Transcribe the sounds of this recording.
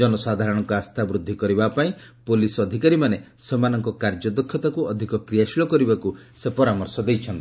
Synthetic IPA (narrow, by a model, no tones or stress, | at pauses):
d͡ʒɔnɔsad̪ʱaɾɔɽ̃ɔŋkɔast̪ʰabɾud̪ʱːikɔɾibapaĩpolisɔd̪ʱikaɾimanesemanɔŋkɔkaɾd͡ʒɔd̪ɔkʰːjɔt̪akuɔd̪ʱikɔkɾijaʃilɔkɔɾibakusepɔɾamɔɾsɔd̪ejt͡ʃʰɔnt̪i